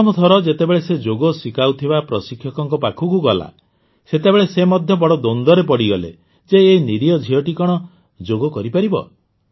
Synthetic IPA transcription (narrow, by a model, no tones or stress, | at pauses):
ɔmɔt̪ʰɔɾɔd͡ʒet̪ebeɭesed͡ʒoɡɔsikawt̪ʰibapɾɔsikʰjɔkɔŋkɔpakʰukuɡɔla̰ | set̪ebeɭesemɔd̪ʱjɔbɔɽɔd̪ond̪ɔɾepɔɽiɡɔlḛ | d͡ʒeːjniɾijɔd͡ʒʱiɔʈikɔɽ̃ɔ | d͡ʒoɡɔkɔɾipaɾibɔ̰